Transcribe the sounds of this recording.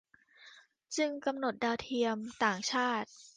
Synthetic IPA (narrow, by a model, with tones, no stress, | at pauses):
t͡ɕɯ˧ŋka˧mno˨˩t̪̚daː˧wt̪ʰi˧əmt̪aː˨˩ŋt͡ɕʰaː˥˩t̪̚